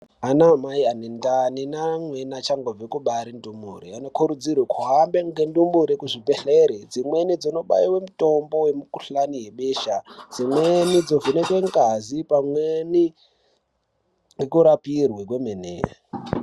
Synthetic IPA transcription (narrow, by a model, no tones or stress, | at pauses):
ɦanamaianendaninamwenat͡ʃaŋɡovekuɓaɾindumuɾḭano̞kuɾud͡zirwekʰuɦambeŋɡendumuɾikuʐipeɬeɾed͡zimwenid͡zonoɓaiwe̞muto̞mbowemuku̥ɬaniɦeɓeːʃad͡zimwenid͡zovunekweŋɡazipamweni | ɡekuɾapirwek̬wemenḛːa